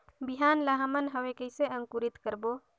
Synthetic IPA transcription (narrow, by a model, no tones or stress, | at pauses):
biɦanlaɦəmənɦəwekəjseəŋkuɾit̪kəɾbo